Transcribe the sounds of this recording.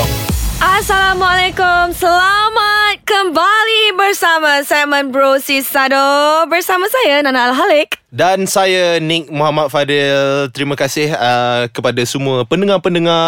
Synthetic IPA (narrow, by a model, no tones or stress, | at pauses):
ʔasalamalekumsəlamat̪̚kəmbalibərsamasɛmə̃nbɾosisadɔbərsamãsajananalɦalɪk̚dansajanɪk̚muɦamat̪̚fadɪlt̪əɾimə̃kasɪhəkəpadasəmũəpəndəŋapəndəŋa